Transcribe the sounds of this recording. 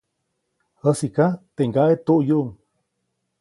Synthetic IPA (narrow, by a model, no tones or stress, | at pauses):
həsikat̪eŋɡaʔet̪uʔjuʔuŋ